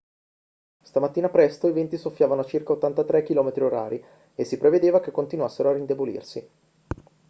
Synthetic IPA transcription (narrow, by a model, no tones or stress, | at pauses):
st̪amat̪ːiːnapɾɛst̪oivent̪isofːjaːvanoat͡ʃirkaot̪ːant̪at̪ɾɛk̟ːilɔːmet̪ɾioɾa̰ːɾi | esːipɾeved̪eːvakekːont̪inwasːeɾoarind̪ebolḭrsi